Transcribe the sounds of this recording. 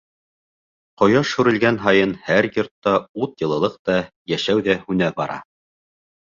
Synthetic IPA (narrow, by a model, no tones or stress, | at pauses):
qŏjɑʃʉɾɘ̆lɡænɦɑjɤnhæɾjŏɾt̪ːɑut̪jɤ̆lˠɤ̆lˠɤq̚t̪ɑ | jæʃæwðæhʉnæbɑɾɑ̰